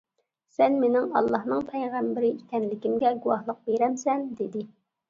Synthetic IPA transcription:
sɛnmenɪŋɑ̰lˠːɑhnɨŋpʰɛjʁæmbɪɾɪik̪ʰʲɛnlɪkʲimɡʲɛɡuwɑhlˠəq̚beɾɛmsɛnd̪ed̪ɪ

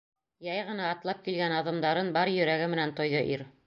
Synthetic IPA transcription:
jɑjʁɤ̆nɑːt̪lˠɑp̚kilɡænɑðɤ̆md̪ɑɾɤnbɑɾjɵ̆ɾæɡɘmɘ̆nænt̪ŏjðɤʔiɾ

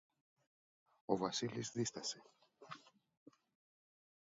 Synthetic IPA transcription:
o̞vɐsilizðist̪ɐse̞

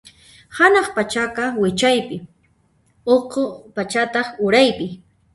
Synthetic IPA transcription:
hanɑχpat͡ʃaqɑwɪt͡ʃajpɪ | oqopat͡ʃat̪ɑχʊɾajpɪ

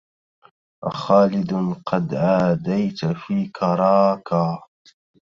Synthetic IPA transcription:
ʔa̰xaːlɪd̪qʰɑd̪ʕaːd̪ajt̪fiːkʰɑɾˤɑːkaː

